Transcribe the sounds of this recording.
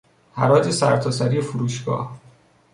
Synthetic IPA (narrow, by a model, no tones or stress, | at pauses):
hæɾɒːd͡ʒesæɾt̪ʰɒːsæɾiːefuɾuːʃɡ̥ɒ̰ːh